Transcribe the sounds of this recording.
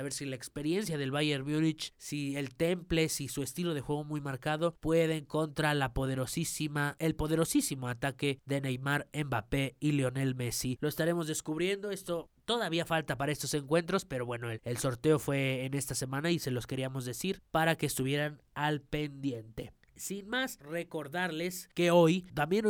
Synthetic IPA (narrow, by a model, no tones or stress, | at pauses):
aβe̞ɾsilaekspe̞ɾje̞nsjaðe̞lβaʝe̞ɾmjunit͡ʃsie̞lt̪e̞mple̞sisue̞st̪ilo̞ð̞exwe̞ɣo̞mujmaɾkaðo̞pwe̞ðe̞ŋko̞nt̪ɾalapoðeɾosisimaelpo̞ðe̞ɾo̞sisimo̞at̪ake̞ðe̞nejmaɾe̞mbape̞ileo̞ne̞lme̞silo̞est̪aɾe̞mo̞zðe̞skuβɾje̞nd̪o̞e̞st̪o̞t̪o̞ðaβiafalt̪apaɾaest̪o̞se̞ŋkwe̞nt̪ɾo̞spe̞ɾo̞βwe̞no̞elso̞ɾt̪e̞o̞fwe̞ːne̞st̪ase̞mãnaise̞lo̞ske̞ɾiamo̞zðe̞siɾpaɾake̞ːst̪uβ̞je̞ɾanalpe̞nd̪je̞nt̪e̞ | sinmasre̞ko̞ɾðaɾle̞ske̞o̞jt̪ambje̞n